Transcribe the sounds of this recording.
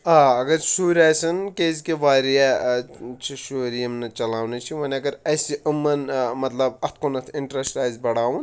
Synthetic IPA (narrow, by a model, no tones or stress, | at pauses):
aɐɡɐɾsuːɾasɐnkezkeʋaːɾja | t͡ʃʰiʃoːɾijɐmnɐt͡ʃɐlaːwnit͡ʃʰiʋɐnɐɡɐɾɐjsiʔɨmːɐnmɐt̪lɐbɐt̪̚ʰkonɐt̪ʰiɳʈɾɐsɾaːjzbɐɽaːwun